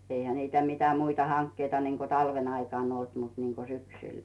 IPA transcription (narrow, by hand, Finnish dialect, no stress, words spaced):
eihæ niːtæ mitæ muitɑ hɑŋkːeitɑ niŋko tɑlʋen ɑikɑˑn olt mut niŋko syksyl